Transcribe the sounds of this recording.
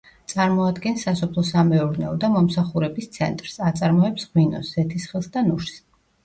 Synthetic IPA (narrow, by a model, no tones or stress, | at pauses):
t̪sʼaɾmɔad̪ɡɛnsːasɔpʰlˠɔsamɛuɾnɛɔd̪amɔmsaχuɾɛbist̪sʰɛ̰nt̪ʼɾsat̪sʼaɾmɔɛpsʁwinɔ̰szɛt̪ʰisχilˠsd̪anuɾss